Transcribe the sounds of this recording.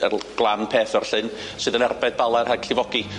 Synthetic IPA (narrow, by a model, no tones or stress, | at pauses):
ə̰rɡ̥lˠanpʰeːθərɬɨn | sɨːðənɛrbɛd̚balˠarhakʰɬɪvɔɡi